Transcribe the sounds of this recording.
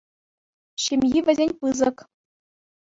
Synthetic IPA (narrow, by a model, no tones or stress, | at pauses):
ɕemʲjiʋʲɘ̆zʲenʲpɯzɤ̆k